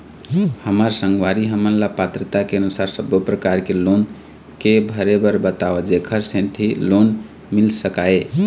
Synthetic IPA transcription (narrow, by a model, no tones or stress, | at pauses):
həməɾsəŋɡwaɾiɦəmənlapat̪ɾət̪akeənusaɾsəbjopɾəkaɾkelon | kebʱəɾebəɾbət̪aʋed͡ʒekʰəɾsẽnt̪ʰilon | milsəkae